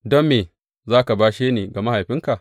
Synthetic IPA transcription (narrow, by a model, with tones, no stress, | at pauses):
dɔ˦mːeː˨ | zaː˦ka˨baː˦ʃeː˦neː˨ɡa˨ma˦ha˨jɸɪ˦ŋka˨ʔ